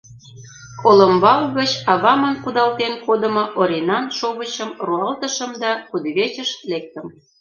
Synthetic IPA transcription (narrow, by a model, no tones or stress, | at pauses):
kʰolə̆mbɑlɣət͡ɕɑβɑmə̆nkud̪ɑlt̪enkod̪ə̆mŏʔoɾʲenɑnʃoβət͡ɕə̆mruɑlt̪əʃə̆md̪ɑkud̪βet͡ɕə̆ʃlek̚t̪ə̆m